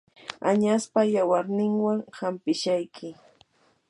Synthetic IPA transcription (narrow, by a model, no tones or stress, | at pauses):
aɲaspajawaɾnɪŋwaŋhampɪʃajkʰɪ